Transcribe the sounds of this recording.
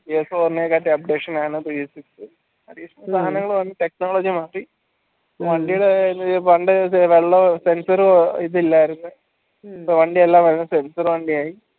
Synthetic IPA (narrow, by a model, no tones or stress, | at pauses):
eesoːrneːkaːʈːiɐp̚ɖekʂɐnaːɳɨbiisiksɨ | ɐd̪ikːsɐmɐst̪ʰaːnɐŋːɐɭʋɐnːiʈe̞k̚noːɭoːd͡ʑimaːrːi | oʋɐɳɖijuɽenːʋɐɳɖɨʋeɭːɐse̞nsɐɾiðilːaːjiɾunːu | pːoʋɐɳɖielːaːʋɐɾnɐsensɐɾʋɐɳɖiaːji